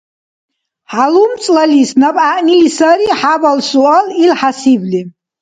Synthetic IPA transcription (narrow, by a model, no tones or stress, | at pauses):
ħalumt͡sʼlalisnapʼaʔnilisaɾiħabalsuʔalilħasibli